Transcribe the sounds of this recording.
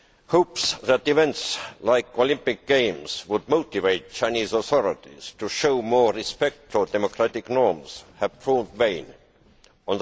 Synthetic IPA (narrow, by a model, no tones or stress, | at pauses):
hoʊpsðæt̪ivɛ̃ntslaɪkolɪ̃mpɪk̚ɡ̥ẽɪ̃mswʊd̚moʊt̪iveɪt̚t͡ʃʰãɪ̃niːzɔθɔɹɪt̪ḭz̥tʰuʃoʊmɔːɹɹispɛk̚tfədɛmokʰɹ̥æt̪ɪknɔɹmz̥hæv̥pʰɹɔːmdvẽɪ̃n | ɔ̃nð